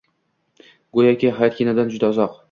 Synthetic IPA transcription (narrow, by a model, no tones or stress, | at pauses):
ɡojakʲiɦajat̪̚kʰʲenad̪and͡ʒʊd̪aʊzɒq